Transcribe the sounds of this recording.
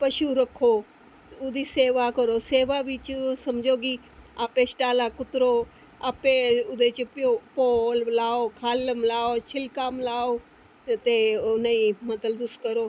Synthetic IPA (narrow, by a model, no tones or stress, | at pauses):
pɐʃuɾɐkʰoː | ʊd̪ʱiːseːʋakəɾoːseːʋaʋit͡ʃsɐmd͡ʒʱoːɡi | aːpesʈaːlakʊt̪ɾoː | aːpeʊd̪et͡ʃpopoːllaːokʰaːləmlaːot͡ʃʰɪlkaːmlaːo | t̪eʊnaimɐt̪əld̪ʊskəɾoː